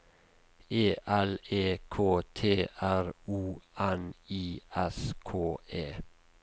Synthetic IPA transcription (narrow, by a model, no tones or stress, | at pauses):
eːʔæleːkʰoːt̪ʰeːʔæɾuːʔæniːɛskʰoːʔeː